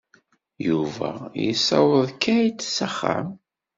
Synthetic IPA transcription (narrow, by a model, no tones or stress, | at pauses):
juvæ̰jisɑwəðˤkːæjt͡sːsæχːa̰m